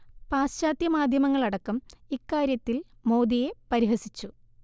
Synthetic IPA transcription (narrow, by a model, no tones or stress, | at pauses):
paːsɕaːt̪jɐmaːd̪ʱjɐmɐŋːɐɭɐɽɐkːumikːaːɾjɐt̪ːilmo̞ːd̪ije̞pɐɾiɦɐsit͡ɕːu